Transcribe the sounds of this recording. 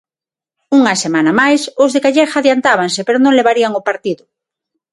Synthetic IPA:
uŋɐsemanɐmajsozðekaʎɛɾxaðjant̪aβ̞aŋsepeɾonõŋleβaɾiaŋopaɾt̪iðʊ

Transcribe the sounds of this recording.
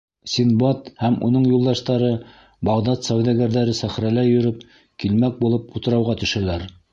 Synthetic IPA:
sʲinbɑt̪hæmṵnɤɴjulˠd̪ɑʃt̪ɑɾɤ | bɑʁd̪ɑt̪sæwðæɡæɾðæɾɘsæχɾælæjɵ̆ɾɵp̚ | kilmæk̚bulˠɤp̚ut̪ɤ̆ɾɑwʁɑt̪ɵ̆ʃælæɾ

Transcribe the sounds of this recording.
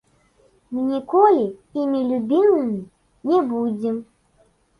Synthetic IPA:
mɨnʲikɔlʲiimʲilʲubʲimɨmʲi | nʲɛbud͡zʲɛm

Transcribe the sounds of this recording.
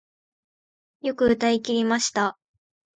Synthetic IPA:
jo̞kɯ̟ɯ̟t̪aikʲiɾʲimaɕi̥t̪a

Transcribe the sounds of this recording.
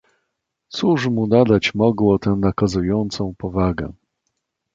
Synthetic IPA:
t̪suʂmunad̪at͡ɕmɔɡwɔt̪ɛnakazujɔnt̪sɔ̃w̃pɔvaɡɛ̰

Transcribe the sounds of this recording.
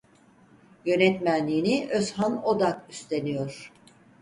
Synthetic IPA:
jø̞nɛt̪mænlʲiːniʔøshano̞d̪akyst̪ʰe̞nijoɾ̥

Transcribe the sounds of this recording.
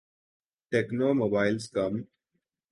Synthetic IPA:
ʈeknoːmobaːɪlskʌm

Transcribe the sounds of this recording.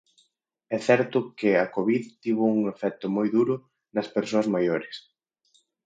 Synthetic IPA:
ɛθɛɾt̪ʊkɪɐkoβiðt̪iβ̞ʊuŋefɛt̪ʊmojðuɾʊ | nɐspeɾsoɐzmajoɾɪs

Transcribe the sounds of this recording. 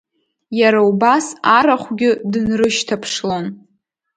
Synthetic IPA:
jaɾaubasaɾaχʷɡʲɪdɨnrɨʃtʰapʰʂlon

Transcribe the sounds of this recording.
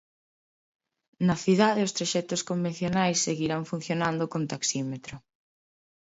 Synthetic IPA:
nɐθiðaðeʊst̪ɾaʃɛt̪ʊskombẽn̟θjonajsːeɣiɾaɱfun̟θjonãnd̪ʊkont̪aksimet̪ɾʊ

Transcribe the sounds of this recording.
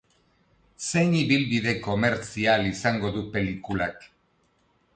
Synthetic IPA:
se̞jniβilβiðe̞ko̞me̞ɾt͡sialisaŋɡo̞ðupe̞likulak

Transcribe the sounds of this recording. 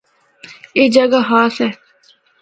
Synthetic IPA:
eːd͡ʒəɡaɦaːsɛː

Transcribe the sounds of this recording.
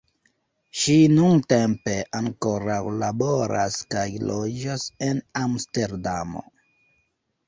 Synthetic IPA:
ʃinuntempe̞ʔaŋko̞ɾawlabo̞ɾa̰skajlod͡ʒase̞namste̞ɾdamo̞̰

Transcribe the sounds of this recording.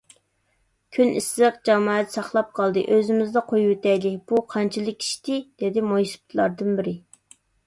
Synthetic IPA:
kʲʰynisɨqd͡ʒɑmɑːɛt̪sɑχlˠɑp̚qʰɑlˠd̪ɨ̰ʔøzɪmɪzd̪ɑqʰojwɪt̪ɛjlɪb̥uqʰɑnt͡ʃʰilˠɨkʲi̥ʃt̪ɪd̪̥ed̪ɪmojsp̚t̪ʰlˠɑɾd̪ɨnbɪɾɪ

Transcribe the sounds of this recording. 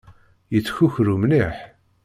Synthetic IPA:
jət͡sːçuçɾumniħ

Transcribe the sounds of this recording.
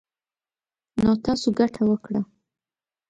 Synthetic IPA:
not̪ɑsoɡaʈʰawəkɽa

